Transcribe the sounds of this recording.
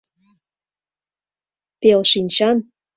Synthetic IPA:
pelʃinʲt͡ɕɑn

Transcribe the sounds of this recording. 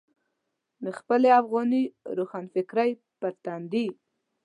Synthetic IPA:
d̪əxpəleafɣɑniɾoxɑnfɪkɾaj | pət̪and̪i

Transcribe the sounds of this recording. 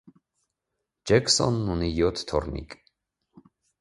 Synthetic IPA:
d͡ʒɛksɔ̰nːunijɔt̪ʰt̪ʰːɔɾnḭkʼ

